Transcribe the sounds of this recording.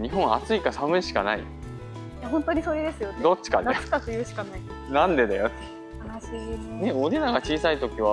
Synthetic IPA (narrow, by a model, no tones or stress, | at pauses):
ɲ̟iɦõ̞ɰ̃a̰t͡sɨikasamɯiɕi̥kanaḭ | jahõnt̪oɲ̟iso̞ɾe̞d̪e̞sɨjod̪o̞t͡ɕːi̥kad̪e̥kakɯjɯɕi̥kanai | nãnd̪e̞d̪ajot̪ | aaɕiːne̞o̞d̪enaɡat͡ɕiːsait̪o̞kʲiβa